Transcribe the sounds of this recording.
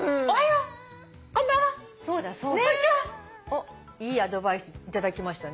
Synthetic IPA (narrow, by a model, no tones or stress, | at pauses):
ajo | kõnːaa | so̞ːd̪aso | o | iːad̪o̞baisɨit̪ad̪akʲimaɕi̥t̪ane